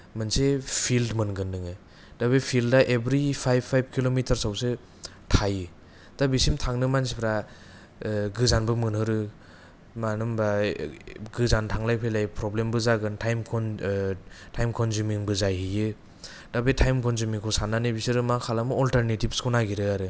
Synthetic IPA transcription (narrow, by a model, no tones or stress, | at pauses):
mɯnsepʰildmɯnɡɯnːɯŋɯ | d̥abepʰildaʔebɾipʰajbʰːajb̚kʰilomitʰɐɾsawse | tʰajɯ | d̥abisimtʰaŋnɯmansipʰɾa | ɡɯzanbɯmɯnhɯɾɯ | manɯmba | ɡɯzantʰaŋlajpʰɯjlajpʰɾɔblembɯzaɡɯntʰajmkʰɔn | tʰajmkʰɔnzumiŋbɯzajɦijɯ | d̥abetʰajmkʰɔnzumiŋkʰɔsananɯbisiɾɯmakʰalamɯɔltaɾnetib̚skʰonaɡiɾɯaɾɯ